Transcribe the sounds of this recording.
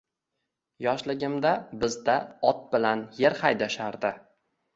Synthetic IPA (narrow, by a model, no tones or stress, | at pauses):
jɒʃlɪɡʲɪmd̪abɪzd̪aɒt̪̚bɪlanje̞ɾhajd̪aʃaɾd̪ɪ